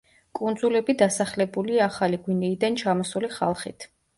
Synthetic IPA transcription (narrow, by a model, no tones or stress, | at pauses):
kʼund̪zulɛbid̪asaχlɛbuliaːχaliɡwinɛid̪ant͡ʃʰamɔsuliχa̰lˠχḭt̪ʰ